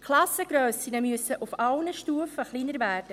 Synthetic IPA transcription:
kʰlɑsəɡ̥ɾøːsinəmyəsəʔufɑwnəʃtuːəfəχliːnəɾvæːɾd̥ə

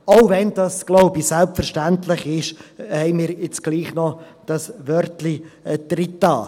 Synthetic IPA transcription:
oʊvɛnd̥ɑsɡ̥loʊbisælpfɛɾʃtænt̪lɪχɪʃhɛɪmiːɾɪt͡sɡ̥liːχnɔd̥ɑsʋœɾtlid̪̥rɪtːɑː

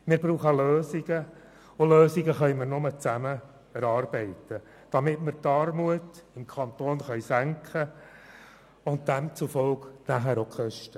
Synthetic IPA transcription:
mɪːɾbɾuːχəɑløːsiɡə | ʊløːsiɡəχœɥməɾnʊmət͡sæmə | ɛɾɑːrb̥ɛɪtə | d̥ɑmɪtmɪɾtɑɾmuətɪmkʰɑntoːnχœɥsæŋkʰχə | ʊnt̚d̥ɛmt͡sufɔlknæɦæɾokʰχœʃtə

